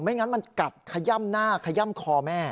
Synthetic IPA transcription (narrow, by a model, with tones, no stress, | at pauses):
ma˦˥˩ŋa˦˥nma˧nka˨˩t̪̚kʰa˧ja˥˩mnaː˥˩kʰa˧ja˥˩˨mkʰɔː˧mɛː˥˩